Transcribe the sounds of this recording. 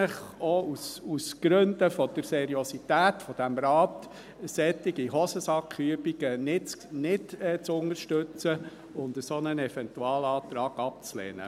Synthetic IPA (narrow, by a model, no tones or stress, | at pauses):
əχɔususɡ̥ɾɵnd̪əfɔd̪̥əɾsɛɾiosit̪æːtfɔd̥æmɾɑːt | sɛtːɪɡiɦɔsəsɑkχyəbiɡənɪt͡snɪdɛt͡sʊnərʃtʏt͡sə | ʊnd̪əsonənɛfɛnt̪uɑːlɑːt̪ɾɑːɡ̥ɑp̚t͡slɛ̰ːnə̰